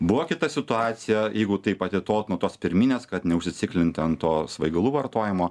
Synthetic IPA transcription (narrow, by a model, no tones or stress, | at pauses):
bʊʋokʲɪt̪ɐsʲɪt̪ʊɑːt̪sʲɪjɛjɛɪɡʊt̪ɐɪpɐt̪ʲɪt̪oːlt̪nuɔt̪oːspʲɪɾʲmʲinʲeːskɐt̪nʲɛʊʃʲsʲɪt͡s̪ʲɪkʲlʲɪnt̪ʲɛɐnt̪oːsʋɐɪɡɐlˠuːʋɐrt̪oːjɪmoː